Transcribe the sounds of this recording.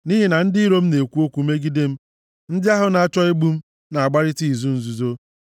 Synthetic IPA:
ni˦ɦi˨na˨n̩˦dɪ˦i˦ɾo˦m̩˦ne˨kʷu˦o˦kʷu˦me˦ɡi˦de˦m̩˦ | n̩˦dɪ˦a˦ɦʊ˨na˨t͡ʃɔ˦i˦ɡ͡bu˦m̩˦ | na˨a˨ɡ͡ba˦ɾɪ˦ti˦˨zu˦n̩˨zu˨zo˦

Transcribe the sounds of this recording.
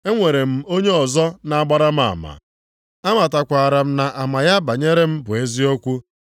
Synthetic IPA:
e˦ŋʷe˨ɾe˨m̩˦˨o˦ɲe˦ɔ˨zɔ˦na˨a˦˨ɡ͡ba˦ɾa˦m̩˦a̰˨ma̰˨ | a˦ma˨ta˨kʷa˨ɾa˨m̩˦na˨ʔa˨ma˨ja˦ba˨ɲe˦ɾe˦m̩˦bʊ˨e˦zi˦o˦kʷu˦

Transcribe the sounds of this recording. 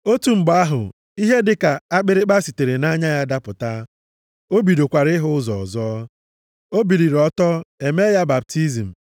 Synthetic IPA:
o˦tu˨m̩˨ɡ͡ba˦ɦʊ̰˨ | i˦ɦe˦dɪ˦ka˨a˦k͡pɪ˦ɾɪ˦k͡pa˦si˨te˨ɾe˨na˦ɲa˦ja˦da˦pʊ˨ta˦ | o˦bi˨ɾo˨kʷa˨ɾɪ˦ɦʊ˦zɔ̰˨ɔ̰˨zɔ˦ | o˦bi˨ɾi˨ɾɔ˦tɔ˦e˨me˦ja˦ba˨p̚ti˦zi˨m̩˨

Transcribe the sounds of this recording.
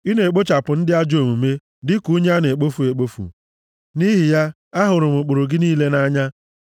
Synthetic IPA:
i˦ne˨e˨k͡po˦t͡ʃa˨pʊ˨n̩˦dɪ˦a˦d͡ʒo˨mu˨me˦ | dɪ˦ku˦ɲe˦a˦ne˨k͡po˦fu˨e˨k͡po˦fṵ˨ | ni˦ɦi˨ja˦ | a˦ɦʊ˨ɾʊ˨mʊ˨k͡pʊ˨ɾo˨ɡɪ˦niː˦le˦na˦ɲa˦

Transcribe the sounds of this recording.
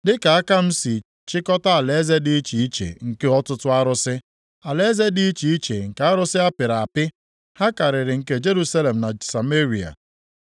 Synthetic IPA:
dɪ˦ka˨a˦ka˦m̩˦si˨ | t͡ʃɪ˦kɔ˦ta˦a˨le˦ze˦di˦i˦t͡ʃi˨i˦t͡ʃḛ˨ŋ̩˨ke˦ɔ˦tʊ˦tʊ˦a˦ɾʊ˦sɪ˦ | a˨le˦ze˦di˦i˦t͡ʃi˨i˦t͡ʃḛ˨ŋ̩˨ka˨a˦ɾʊ˦sɪ˦a˦pɪ˨ɾa˨a˨pɪ˦ | ha˦ka˨ɾɪ˨ɾɪ˨ŋ̩˨ke˦d͡ʒe˦ɾu˦sa˦le˨m̩˨na˨sa˨me˦ɾi˨a̰˨

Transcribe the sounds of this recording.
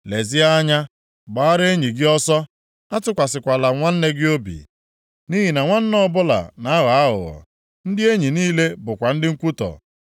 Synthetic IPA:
le˨zɪ˦a˦ɲa˦ | ɡ͡ba˨a˦ɾe˦ɲi˨ɡɪ˦ɔ˦sɔ˦ | a˦tʊ˦kʷa˨sɪ˨kʷa˨la˨ŋʷa˦n̩˦ne˦ɡɪ˦o˦bḭ˨ | ni˦ɦi˨na˨ŋʷa˦n̩˦nɔ˦bʊ˦la̰˨na˨˦ɣa˨a˦ɦʊ̰˨ɣɔ̰˨ | n̩˦dɪ˦e˦ɲi˨niː˦le˦bʊ˨kʷa˨n̩˦dɪ˦ŋ̩˦kʷu˦tɔ̰˨

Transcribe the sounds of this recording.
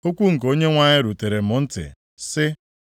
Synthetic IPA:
o˦kʷu˦ŋ̩˨k̬o˦ɲe˦ŋʷa˦ɲɪ˦ɾu˨te˨ɾe˨mʊ˨n̩˦tɪ̰˨ | sɪ˦

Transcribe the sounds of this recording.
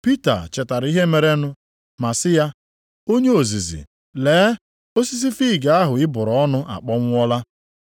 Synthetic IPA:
pi˦ta̰˨t͡ʃɛ˨ta˨ɾi˦ɦe˦me˨ɾe˦nʊ˦ | ma˨sɪ˦ja˦ | o˦ɲe˦o˨zi˨zḭ˨ | leː˨˦ | o˦si˦s̬i˦fi˦˨ɡa˨a˦ɦʊ˨ɪ˦bʊ˨ɾɔ˨˦ɔ˦nʊ˦ʔa̰˨k͡pɔ˦ŋʷʊ˦ɔ˦la˦

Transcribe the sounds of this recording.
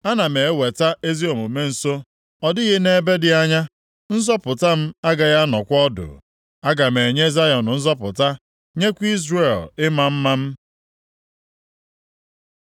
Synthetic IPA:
a˦na˨me˨e˦we˨ta˦e˦zi˦o˨mu˨me˦n̩˨so˦ | ɔ˦dɪ˦ɣɪ˦ne˨be˦dɪ˦a˦ɲa˦ | n̩˦zɔ˦pʊ˨ta˦m̩˦a˦ɡa˨ja˦nɔ˨kʷɔ˦dʊ̰˨ | a˦ɡa˨me˨ɲe˦za˦jɔ˨n̩˨n̩˦zɔ˦pʊ̰˨ta˦ | ɲe˦kʷi˦zre˨lɪ˦ma˦m̩˦ma˦m̩˦

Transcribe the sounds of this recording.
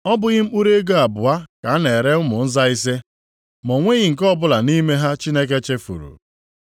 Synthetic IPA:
ɔ˦bʊ˦ɣɪ˦m̩˦k͡pu˦ɾe˦ɡo˦a˨bʊ˨a˦ka˨a˦ne˨ɾe˦ʊ˦mʊ˨n̩˦za˦i˦s̬e˦ | mʊ˨ŋʷe˦ɣɪ˦˨ŋ̩˨kɔ˦bʊ˦la˨ni˦me˦ɦa˦t͡ʃi˦ne˦k̬e˦t͡ʃe˦fṵ˨ɾṵ˨

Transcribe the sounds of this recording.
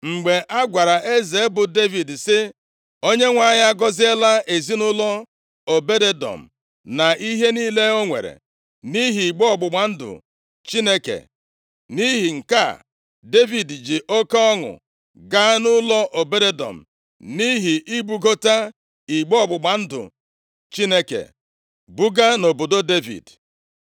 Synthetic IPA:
ŋ͡m̩˨ɡ͡be˨ʔa˦ɡʷa˨ɾa˨ʔe˦ze˨e˦bʊ˨de˦vi˨dsɪ˦ | o˦ɲe˦ŋʷa˦˨ɲa˦ɡɔ˦zɪ˦e˦la˦e˨zi˦nʊ˦lɔ˦ | o˨be˦de˦dɔ̰˨m̩˨ | na˨i˦ɦe˦ni˦le˦o˦ŋʷḛ˨ɾḛ˨ | ni˦ɦi˨i˨ɡ͡bɔ˦ɔ˦˨ɡ͡bʊ˨ɡ͡ba˨n̩˦dʊ̰˨ | t͡ʃi˦ne˦kḛ˨ | ni˦ɦi˨ŋ̩˨ka̰˦˨ | de˦vi˨dd͡ʒi˨ʔo˦ka˦ɔ˦ŋʊ̰˨ | ɡa˦nʊ˦lɔ˦ʔo˨be˦de˦dɔ̰˨m̩˨ | ni˦ɦi˨ʔi˦ɡ͡bu˨ɡo˦ta˦ | i˨ɡ͡bɔ˦˨ɡ͡bʊ˨ɡ͡ba˨n̩˦dʊ̰˨ | t͡ʃi˦ne˦kḛ˨ | bu˦ɡa˦no˨bo˨do˦de˦vḭ˨d

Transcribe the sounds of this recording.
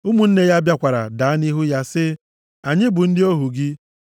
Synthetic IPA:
u˦mu˨n̩˦ne˦ja˦bja˦kʷa˨ɾa̰˨da˨a˦ni˦ɦu˦ja˦sɪ˦ | a˨ɲɪ˦bʊ˨n̩˦dɪ˦o˦ɦu˨ɡɪ˦

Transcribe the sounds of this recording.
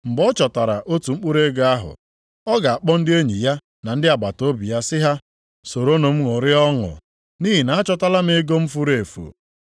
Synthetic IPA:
ŋ͡m̩˨ɡ͡bɔ˦t͡ʃɔ˨ta˨ɾa˨ʔo˦tu˨ŋ͡m̩˦k͡pu˦ɾe˦ɡa˦ɦʊ̰˨ | ɔ˦ɡa˨a˨k͡pɔ˦n̩˦dɪ˦e˦ɲi˨ja˦ | na˨n̩˦dɪ˦a˨ɡ͡ba˨to˦bi˨ja˦sɪ˦ɦa˦ | so˨ɾo˦no˨m̩˦ŋo˨ɾɪ˦ɔ˦ŋʊ̰˨ | ni˦ɦi˨na˨a˦t͡ʃɔ˦ta˦la˦m̩˦e˦ɡo˦m̩˦fu˦ɾe˨fṵ˨

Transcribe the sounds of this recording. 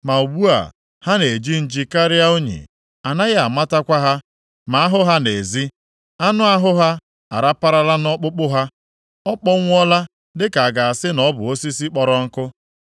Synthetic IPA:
ma˨u˨ɡ͡bu˦a̰˨ | ha˦ne˨d͡ʒi˦n̩˨d͡ʒi˦ka˦ɾɪ˦a˦o˦ɲḛ˨ | a˨na˦ɣɪ˦a˨ma˦ta˦kʷa˦ɦa˦ | ma˨a˦ɦʊ˦ɦa˦ne˨zi˦ | a˦nʊ˦a˦ɦʊ˦ɦa˦ | a̰˨ɾa˦pa˦ɾa˦la˦nɔ˦k͡pʊ˦k͡pʊ˦ɦa˦ | ɔ˦k͡pɔ˦ŋʷ˦ɔ˦la˦ | dɪ˦ka˨a˨ɡa˨a˨sɪ˦nɔ˦bʊ̰˨o˦si˦si˦k͡pɔ˨ɾɔ˦ŋ̩˦kʊ˦

